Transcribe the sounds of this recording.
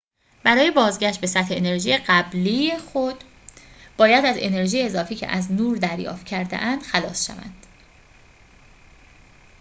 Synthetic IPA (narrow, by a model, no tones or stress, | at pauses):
b̥æɾɒːje̞bɒːzɟæʃt̪̚be̞sæt̪heːne̞ɾʒiːjeɢæblijexod̪̥ | b̥ɒːjæd̪æze̞̰ne̞ɾʒijeːzɒːfiːcʰḛʔæznuːɾd̪æɾjɒ̰ːft̪̚cʰæɾd̪ḛʔænd̪̥xælɒːsʃæ̰væ̰nd̪̥